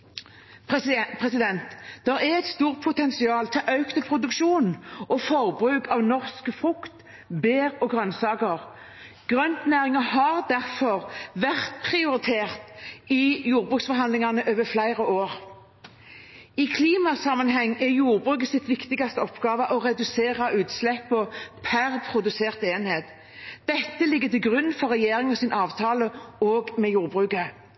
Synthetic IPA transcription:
pʰʁɛsɪd̪ɛnt̪d̪̥ɛʁɛɛɪt̪st̪uːʁt̪̚pʰʊt̪ɛnsɪɑːlt̪ʰɪlʔœʉkt̪ʰɪlpʰʁʊd̪ʉkʃuːnʔɔfɔʁbʁʉːkʰɑʋnɔʁskfʁʉkt̪ | beːʁɔɡʁœnsɑːkəʁ | ɡ̥ʁœnt̪næːʁɪŋəɦɑʁd̪æʁfɔʁʋæʁt̪pʰʁɪʊʁɪt̪ʰeːʁt̪ɪjuːɾbʁʉːksfɔɦɑnd̪lɪŋɑnəʔøːʋəflæɪʁəoːʁ | ɪkʰliːmɑsɑmɑnɦɛŋːɛjuːʁbʁʉːk̬əsɪt̪ʋɪkt̪ɪɡɑst̪əɔpɡ̥ɑːʋəʔɔʁɛd̪ʉseːʁɑʔʉːt̪slɛpːɔpʰæʁpʰɾʊd̪ʉseːʁt̪eːnheːt̪ | d̪̥ɛt̪ːəlɪɡːət̪ɪlɡʁʉnːn̩fɔʁɛjeːɾɪŋɔsɪnʔɑːʋt̪ʰɑːləoːɡmɛjuːʁbʁʉːkə

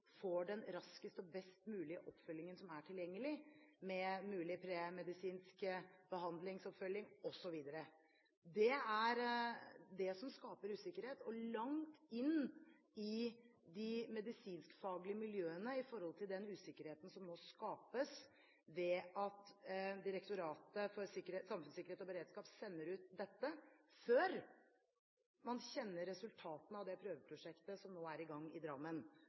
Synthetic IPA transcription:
foɖɛnɾɑskəst̪ɔbɛst̪mʉːlɪəʔɔpːfœlːɪŋənsɔmæʈʰɪljɛŋːəlɪmɛmʉːlɪpʰɾemɛd̪ɪsiːnskəb̥əɦɑnd̪lɪŋsɔpfœljɪŋɔsɔʋiːd̪əɾə | d̪ɛæɾ | d̪ɛsɔmskɑːpəɾʉːsɪkːəɾheːt̪ɔlɑŋt̪ɪnː | ɪd̪ɪmɛd̪ɪsiːnskfɑːɡlɪəmɪljøːənəɪfɔɾhɔlt̪ʰɪld̪ɛnʉːsɪkːəɾheːt̪ən̩sɔmnoːskɑːpəs | ʋɛʔɑt̪d̪ɪɾɛkt̪ʊɾɑːt̪əfɔɾsɪkːəɾesɑmfʉnsɪkːəɾeːt̪ɔbəɾeːd̪skɑːpsɛnːəɾʉːt̪̚d̪ɛt̪ːəføːɾ | mɑnɕɛnːəɾːɛsʉlt̪ʰɑːt̪nəɑʋd̪ɛpʰɾøːʋəpʰɾʊʂɛkt̪əsɔmnoːæɾɪɡɑŋːɪd̪ɾɑmːən

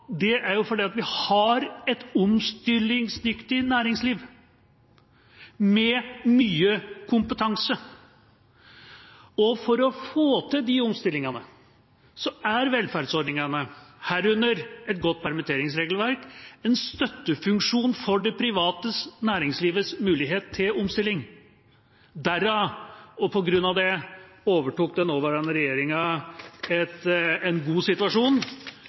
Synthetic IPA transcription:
d̪ɛʔæɾjʊfɔɖiːɑt̪ʋɪhɑɾɛt̪ʊmst̪ɪlːɪŋsnʏkt̪ɪnæːɾɪŋsliːʋ | mɛmyːəkʰʊmpət̪ʰɑŋsə | ɔfɔɾɔfoːt̪ʰɪd̪ɪɔmst̪ɪlːɪŋɑnə | sɔæɾʋɛlfæɾɖsɔɾɖɳnɪŋɑnəhæːɾʉnːəɾɛt̪̚ɡɔt̪̚ːpʰæɾmɛt̪ʰeːɾɪŋsɾeːɡl̩ʋæɾkɛnst̪œt̪ːəfʉŋkʂuːnfɔɖɛpʰɾɪʋɑːt̪əsnæːɾɪŋsliːʋəsmʉːlɪɡɦeːt̪ʰːɪlɔmst̪ɪlːɪŋ | d̪æɾɑɔpʰɔɡɾʉnːɑʋd̪ɛoːʋəʈuːk̚d̪ɛnoːʋəɾɑnːəɾɛjeːɾɪŋɑ | ɛt̪ɛnɡuːsɪt̪ʉʋɑʂuːn

